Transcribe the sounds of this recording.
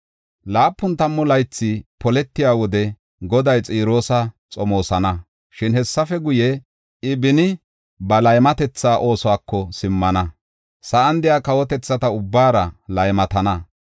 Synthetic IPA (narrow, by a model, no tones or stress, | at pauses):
laːpːʊnt̪ɐmːɔlɐjt͡sːɪpɔlɛt̪ːɪjaːwɔd̪ɛ | ɡɔd̪ɐjt͡sʼiːɾo̞ːsɐt͡sʼɔmo̞ːsɐnɐ | ʃɪnhɛsːɐfɛɡʊjɛ | ɪbɪnɪ | bɐlɐjmɐt̪ɛt͡sːaːʔo̞ːsɔaːkʰːɔsɪmːɐnɐ | sɐʔɐnd̪ɪjaːkɐwɔt̪ɛt͡sːɐt̪ɐʊbːaːɾɐlɐjmɐt̪ɐnɐ